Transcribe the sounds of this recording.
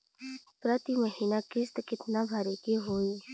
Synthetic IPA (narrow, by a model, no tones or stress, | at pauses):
pɾət̪iməɦiːnakɪst̪kɪt̪nabʱaɾekeɦoːiː